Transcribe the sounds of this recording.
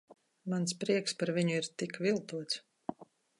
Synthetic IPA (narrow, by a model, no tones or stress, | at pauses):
manspɾiɛkspaɾviɲʊiɾt̪ikvilˠt̪uɔt̪s